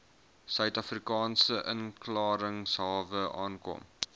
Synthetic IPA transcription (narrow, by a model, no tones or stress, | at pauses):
sœɥtɐfrikɑːnsəʔə̰nklɑːɾəŋsɦɑːvəʔɑːnkɔ̰m